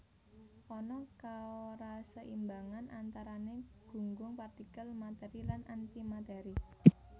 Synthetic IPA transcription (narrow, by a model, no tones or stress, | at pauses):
ʔɔnɔkaoɾasəʔimbaŋanʔant̪aɾaneɡ̥ṳŋɡʊŋpart̪ikəlmat̪ɛɾilanʔant̪imat̪ɛɾi